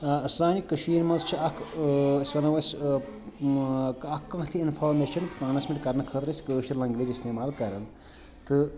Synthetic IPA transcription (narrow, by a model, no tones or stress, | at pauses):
szaːnikɐʃiːɾmɐnzt͡ʃʰiɐkʰsʲʋɐnɐʋɐsʲ | kɐkːãt̪ʰiinfʰoːɾmeʃɐnkaːnɐsmiʈʲkɐɾnɐkʰət̪ɾɐsʲkɨʃilɐŋɡliːɾʲisʲt̪eːmaːlkɐɾɐn | t̪ɨ